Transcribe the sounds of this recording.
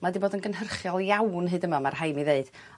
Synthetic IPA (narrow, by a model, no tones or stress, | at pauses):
madiboːdənɡənɦərχjɔlˠjawnɦɨːdəmamarɦajmiðeɨd̥